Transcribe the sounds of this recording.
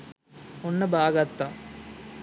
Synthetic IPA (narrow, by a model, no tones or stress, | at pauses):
onːɐbʱaːɡɐt̪ːɐ